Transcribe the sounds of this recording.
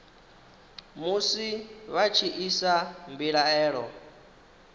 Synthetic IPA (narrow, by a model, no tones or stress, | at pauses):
musiβat͡ʃʰiʔisambiɺaɛːɺɔ